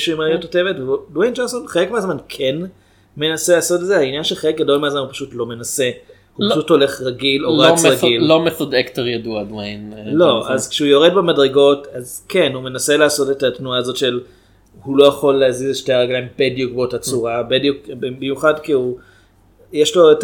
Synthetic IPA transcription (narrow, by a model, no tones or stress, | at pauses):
ʃimjotote̞vetveudwejnd͡ʒonsonχelekmeazmankʰe̞n | me̞naselaːso̞tedzehainjanʃeχelek̚ɡado̞lmeazmanhupḁʃutlo̞me̞nase̞ | hupaʃutho̞le̞χʁaɡiloʁat͡sʁaɡillomefodekteʁjaduadwejnlo̞azkʃeujo̞ʁedbemadʁeɡo̞tazke̞nhume̞nase̞laːso̞tetatnuaːzo̞tʃe̞l | hulo̞jaχo̞lːeazizeʃteaʁeɡlajmbedjukvootat͡suʁabedukbebimjuχadkiu | jeʃlo̞et